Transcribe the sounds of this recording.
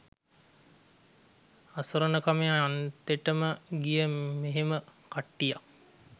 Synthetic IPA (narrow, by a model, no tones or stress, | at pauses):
asuɾənəkameant̪eʈəməɡijəmeɦeməkaʈːija